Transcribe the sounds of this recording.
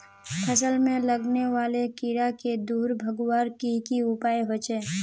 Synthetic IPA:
pʰəsəlmẽləɡneʋaːlekiɾaked̪uːɾbʱəɡwaːɾkikiʊpaːeɦot͡ʃeː

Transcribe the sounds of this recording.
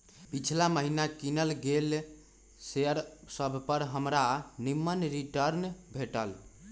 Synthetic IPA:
pit͡ʃʰlaməɦinakinəlɡel | seəɾsəbʱpəɾɦəmɾanimːənɾiʈəɾnbʱeʈəl

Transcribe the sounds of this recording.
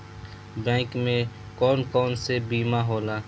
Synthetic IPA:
bɛ̃ːkmẽ | kɔːnkɔːnsebiːmaɦoːlaː

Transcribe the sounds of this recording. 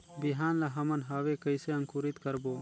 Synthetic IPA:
bɪɦaːnlaɦɐmənɦaːʋeːkəɪseəŋkuːɾɪt̪kəɾboː

